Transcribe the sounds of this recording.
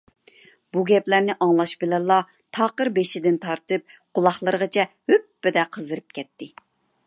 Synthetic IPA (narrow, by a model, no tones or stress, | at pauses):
buɡʲɛplæɾnɪʔɑŋlˠɑʃbɪlɛlˠːɑ | t̪ʰɑːqəɾbeʃɪd̪ɪnt̪ʰɑɾt̪ɨp̚qʰʊlˠɑχlˠəɾʁət͡ʃʰɛhøpːɪd̪ɛqʰəzɨɾɨp̚kʲʰɛt̪ːɪ